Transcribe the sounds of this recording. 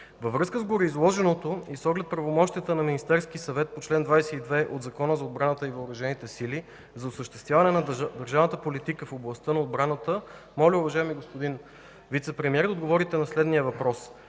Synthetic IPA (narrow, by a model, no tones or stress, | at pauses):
vɐvɾɤskəzɡoɾiizlˠɔʒɛnot̪oisɔɡlɛt̪̚pɾɐvomɔʃt̪ijət̪ənɐminist̪ɛɾsk̟isɐvɛt̪̚pot͡ʃlɛnd̪vajsɛid̪vɛʔo̰d̪zɐkɔnəzɐod̪̚bɾanət̪əivɐʊɾɐʒɛnit̪ɛsili | zɐʊsəʃt̪ɛ̥st̪vʲjavɐnɛnɐd̪əɾʒavnət̪əpolit̪ikəfoblˠɐst̪ɤnɐod̪bɾanət̪ə | mɔlʲiʊvɐʒajɛmiɡospod̪in | vit̪sɛpɾɛmiɛɾd̪ɐod̪ɡovɔɾit̪ɛnɐslɛd̪nijəvɐpɾɔs